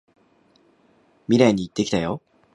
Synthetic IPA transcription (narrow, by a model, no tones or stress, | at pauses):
mʲiɾaiɲ̟iːt̪ːe̞kʲi̥t̪ajo̞